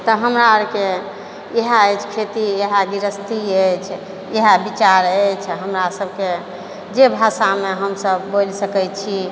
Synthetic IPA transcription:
t̪əɦəmɾaəɾke | eɦaəjt͡ʃʰkʰet̪ieɦaɡiɾəst̪iət͡ʃʰ | eɦabit͡ʃaɾət͡ʃʰɦəmɾasəbʱke | d͡ʒebʱasameɦəmsəbːolsəkət͡ʃʰi

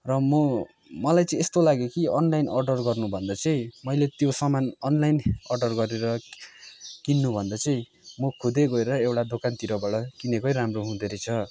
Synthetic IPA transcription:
rʌmʌ | mʌlajt͡sʌĩest̪olaɡekiʌnlajnʌrɖʌrɡʌrnubʱʌnd̪ʌt͡sʌĩmʌjlet̪josʌmanʌnlajnʌrɖʌrɡʌɾeɾʌ | kinːubʱʌnd̪ʌt͡sʌĩ | mʌkʰud̪eɡʌeɾʌewʈad̪okant̪iɾʌbʌɽʌkinekʌjɾamroɦũd̪eɾʌjt͡sʰʌ

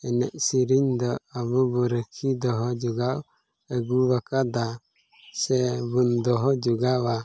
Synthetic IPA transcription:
ɛnɛʔsiɾiɲd̪ɔabubɔɾəkʰid̪ɔɦɔd͡ʒuɡaw | əɡuβakad̪a | sɛbund̪ɔɦɔd͡ʒuɡawa

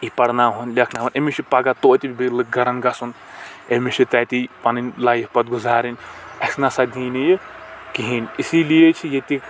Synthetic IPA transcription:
ipɐɽnaːɦonlʲɐkʰnaːʋɐnemiʃʰipɐɡat̪oːt̪ibilɨɡɐɾɐnɡɐsun | emiʃʰit̪ɛːt̪ipɐninʲlaːjipɐt̪̚ɡʊzaːɾinʲɐsnasɐd̪ʱiːnijkiɦinisilijet͡ʃʰijet̪ik

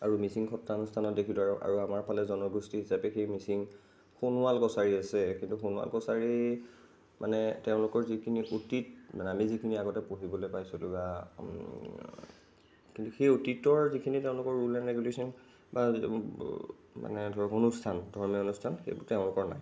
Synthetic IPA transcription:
aɹumisiŋxʰɔtɹanɔstʰanɔtdekʰilɔaɹʔa̰ɹuamaɹpʰalɛzɔnɔɡustiɦisapɛxejmisiŋ | xonualkɔsaɹiasɛkintuxonʊa̰lkɔsaɹi | mʔa̰nɛtɛʊ̃lʊkɔɹzikʰiniʔutit̚manɛamizikʰiniaɡɔtɛpoɦibɔlojpajsulʊɡa | kĩntuxejotitɔɹzikʰinitɛʊ̃lʊkɔɹɹulɛnɹeɡulesɔn | ba | ma̰nɛdʱɔɹɔkonustʰandʱɔɹmionustʰanxḛjbʊtɛʊ̃lʊkɔɹna̰j

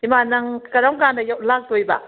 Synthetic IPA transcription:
imanɐŋkɐɾawɡandɐjawlak̚dojba̰

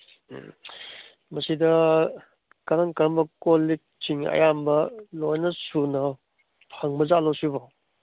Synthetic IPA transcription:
mɐsidɐ | kɐɾɐŋkɐmbɐkolːik̚t͡ʃiŋɐ̰jambɐlojnɐsunɐ | pʰɐŋbɐzalowsibaw

